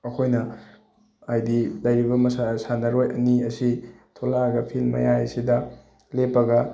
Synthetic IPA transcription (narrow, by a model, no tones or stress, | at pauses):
ɐkʰojnɐ | ajdilɐjɾibɐmɐsasanɐɾojɐ̰niɐsi | tʰolaɐɡɐpʰilmːɐ̰jaɐsidɐ | lepːɐɡɐ